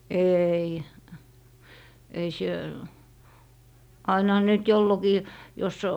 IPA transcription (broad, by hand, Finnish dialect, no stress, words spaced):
eːi ei sie ɑinɑ̆hɑ ne nyt jolːokiː jos